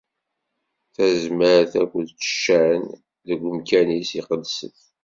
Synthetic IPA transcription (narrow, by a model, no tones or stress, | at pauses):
θæzməɾθækʷːəd̪t͡sːə̥ʃːæn | ðəɡʷːəmkænisiqəd̪sə̰θ